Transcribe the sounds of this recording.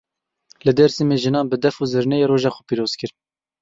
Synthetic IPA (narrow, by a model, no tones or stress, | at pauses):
lɨd̪ɛɾsimeʒɨnɑːnbɨd̪ɛfuːzɨɾnɛjeːɾoːʒɑxɔ̥piːɾoːz̥kɨɾ